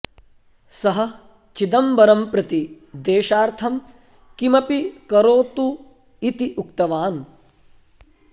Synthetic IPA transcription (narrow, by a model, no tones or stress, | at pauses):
sɐɦɐ̆ | t͡ʃid̪ɐmbɐɾɐmpɾɐt̪i | d̪eːʃaːɾt̪ʰɐm | kimɐpikɐɾoːt̪u | it̪iʔukt̪ɐʋaːn